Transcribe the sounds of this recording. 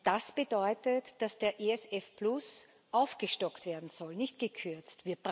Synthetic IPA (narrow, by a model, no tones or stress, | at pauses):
d̥asb̥ədɔʏtətd̥asd̥eːɐʔeɛsɛfplʊs | ʔaʊfɡ̥əʃtɔktv̥eːɐdn̩z̥ɔlnɪçtɡ̥əkʰʏɐt͡stv̥iːɐb̥ʁ